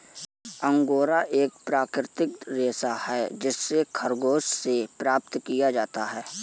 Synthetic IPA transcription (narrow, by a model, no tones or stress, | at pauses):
ə̃ŋɡoːɾaʔeːk̚pɾaːkɾɪt̪ɪkɾeːsahɛːd͡ʒɪsːekʰɐɾɡoːssepɾaːp̚t̪kijad͡ʒaːt̪aɦɛː